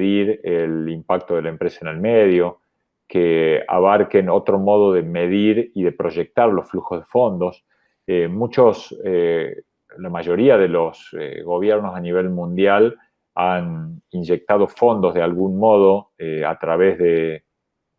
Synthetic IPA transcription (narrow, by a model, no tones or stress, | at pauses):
ðiɾelimpak̚t̪oðelaempɾesaene̞lmeðjo̞ | kea̰βaɾke̞no̞t̪ɾo̞mo̞ð̞o̞ðemeð̞iɾiðe̞pɾo̞ʒek̚t̪aɾlo̞sfluxozðefo̞nd̪os | emut͡ʃose | lamaʒo̞ɾiaðe̞lo̞sḛɣo̞β̞jeɾno̞saniβ̞e̞lmũnd̪jal | aninʒe̞k̚t̪að̞o̞fo̞nd̪o̞zð̞ealɣunmoð̞o̞ea̰t̪ɾaβezðe